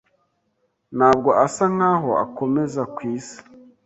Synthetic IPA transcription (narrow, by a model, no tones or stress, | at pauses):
n̥aːb̚ɡo̞ʔasaŋ̥haːɦo̞a̰ko̞me̞zakwiːsḁ